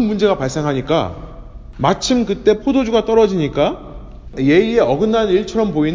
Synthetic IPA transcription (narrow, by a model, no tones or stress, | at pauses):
nmund͡ʑe̞ɡapaɭs͈e̞ŋɦaɲik͈a̰ | mat͡ɕʰimkɯt͈e̞pʰodod͡ʑuɡat͈ʌɾʌd͡ʑiɲik͈a | je̞ie̞ʌɡɯnːaniɭt͡ɕʰʌɾʌmpoin